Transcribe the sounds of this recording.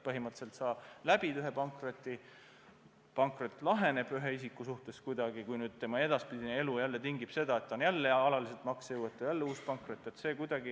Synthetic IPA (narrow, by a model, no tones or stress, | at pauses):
pɤɦimɑt̪se̞lt̪sɑ̥ːlæb̥id̪yɦepɑŋkrot̪ːˑi | pɑŋkrot̪ːˑlɑɦe̞ne̞b̥yɦeisikːˑusuht̪e̞skujd̪̥ɑɡikujnyːd̪̥̚t̪e̞mɑe̞d̪̥ɑspid̪inee̞lujælːet̪iŋɡib̥se̞d̪̥ɑe̞t̪ːɑonjælːeɑlɑliset̪mɑksjuwet̪ːˑujælːeuːspɑŋkrot̪ːˑe̞t̪se̞ːkujd̪̥ɑɡi